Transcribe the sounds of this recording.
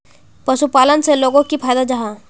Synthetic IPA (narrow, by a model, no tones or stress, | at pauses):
pɐʃupaːlənseloːɡõkipʰaːd̪ad͡ʒaɦã